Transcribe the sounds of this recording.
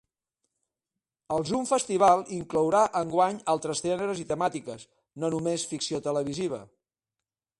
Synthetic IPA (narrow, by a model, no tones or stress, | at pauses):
əlˠzuɱfəst̪iβ̞alˠiŋklɔwɾaʔəŋɡwaɲalˠt̪ɾəst̪ɾɛnəɾəzit̪əmat̪ikəs | nonumesfiksiot̪ələβiziβ̞ə̰